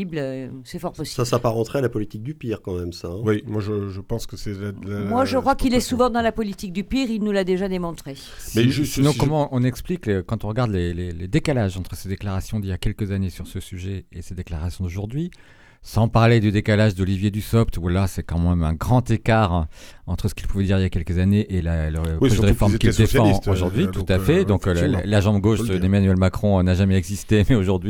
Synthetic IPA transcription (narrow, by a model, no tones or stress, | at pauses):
ibløsɛfɔʁpɔsisabsapaʁɑ̃t̪χealapɔlit̪ik̚d̪ypiʁkɑ̃mɛmsaɛ̃wimwaʒəʒəpɑ̃skəsɛlalamwaʒəkχwakilɛsuvɑ̃d̪ɑ̃lapɔlit̪ik̚d̪ypiʁilnulad̪eʒad̪emɔ̃t̪χe | mɛʒnɔ̃kɔmɑ̃ɔ̃nɛkspliklkɑ̃t̪ɔ̃ʁəɡaʁd̪leleled̪ekalaʒɑ̃t̪χəsed̪eklaʁasjɔ̃d̪iljakʲɛlkəzanesyʁsəsyʒɛesed̪eklaʁasjɔ̃d̪oʒuʁd̪ɥi | sɑ̃paʁled̪yd̪ekalaʒd̪ɔlivjed̪ysɔpt̪valasɛkɑ̃mɛmɛ̃ɡʁɑ̃t̪ekaʁɑ̃t̪χəsə̥kʲilpuvɛd̪iʁiljakɛlkəzaneʔelaləpʁɔʒɛdəʁefɔʁmkild̪efɑ̃oʒuʁd̪ɥit̪u̥t̪afɛd̪ɔ̃kllaʒɑ̃bɡoʃd̪əd̪emanɥɛlmakχɔ̃naʒamɛɛɡzist̪emɛoʒuʁd̪ɥi